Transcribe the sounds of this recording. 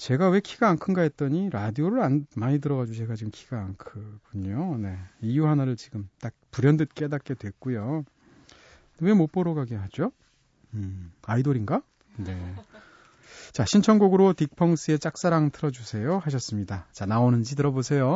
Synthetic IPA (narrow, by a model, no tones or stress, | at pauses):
t͡ɕe̞ɡawe̞kʰiɡaːŋkʰɯnɡaet̚t͈ʌɲiɾadioɾɯɾanmaɲit̬ɯɾʌɡad͡ʑus̬ʰe̞ɡat͡ɕiɡɯmkʰi̥ɡ̥aːŋkʰɯɡʰuɲone̞ijuɦanaɾɯɭt͡ɕiɡɯmt͈ak̚puɾjʌndɯt̚k͈e̞dat̚k͈e̞dwe̞k͈ujo | ewe̞mop͈ʌɾoɡaɡeɦad͡ʑo | ɯaidoɾinɡa | ne̞ | t͡ɕaɕʰint͡ɕʰʌŋɡoɡɯɾotik̚pʰʌŋs͈ʰɯe̞t͡ɕ͈ak̚s͈aɾaŋtʰɯɾʌd͡ʑusʰe̞johaɕʰʌs͈ɯmɲidat͡ɕanaonɯnd͡ʑit̬ɯɾʌbosʰe̞jo